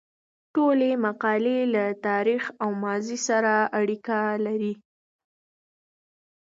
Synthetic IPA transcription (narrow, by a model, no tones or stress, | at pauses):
ʈolemaqɑlelat̪ɑɾixawmɑzisaɾaaɽikalaɾi